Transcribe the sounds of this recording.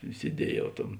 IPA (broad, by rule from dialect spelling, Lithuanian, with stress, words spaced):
sʲiɛˈdʲiɛjɛʊ ˈtɐm